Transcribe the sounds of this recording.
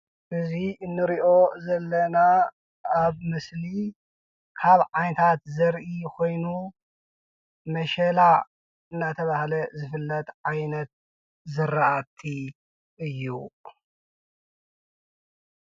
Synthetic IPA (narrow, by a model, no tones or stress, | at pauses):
ʔɨziɨnːɨɾiʔo̞zɐlːɐnaː | βmɨsli | kʰaβʕajnɐt̪ʰat̪zɐɾʔikʰo̞jnu | mɐʃɐla | ɨnːat̪ʰɐβahlɐzɨfɨlːɐt̪ʼʕajnɐt̪̚ | zɨraʔat̪ʰːi | ʔɨjːṵ